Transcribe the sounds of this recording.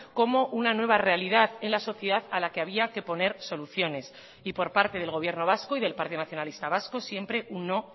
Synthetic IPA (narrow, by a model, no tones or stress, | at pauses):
ko̞mo̞ʔunanwe̞β̞are̞aliðaðe̞nlaso̞θje̞ðaðalake̞aβiake̞po̞ne̞ɾso̞luθjo̞ne̞s | ipo̞ɾpaɾt̪e̞ð̞e̞lɣ̞o̞βje̞ɾno̞β̞askoiðe̞lpaɾt̪iðo̞naθjonalist̪aβasko̞sje̞mpɾe̞ʔunːo̞